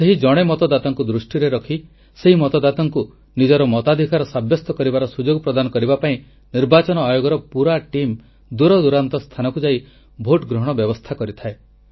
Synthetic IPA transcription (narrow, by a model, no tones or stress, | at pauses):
seɦid͡ʒɔɽ̃emɔt̪ɔd̪at̪ɔŋkud̪ɾusʈiɾeɾɔkʰi | seɦimɔt̪ɔd̪at̪ɔŋku | nid͡ʒɔɾɔmɔt̪ad̪ʱikaɾɔsabjɔst̪ɔkɔɾibaɾɔsud͡ʒoɡɔpɾɔd̪anɔkɔɾibapaĩ | niɾbat͡ʃɔnɔajoɡɔɾɔpuɾaʈim | d̪uɾɔd̪uɾant̪ɔst̪ʰanɔkud͡ʒai | bʱoʈɡɾɔɦɔɽ̃ɔbjɔbɔst̪ʰakɔɾit̪ʰae